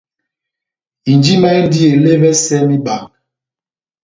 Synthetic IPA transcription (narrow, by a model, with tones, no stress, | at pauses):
i˨nd͡ʒi˦ma˦ɛ˦di˦e˨le˦vɛ˦sɛ˦mi˦ba˨ŋ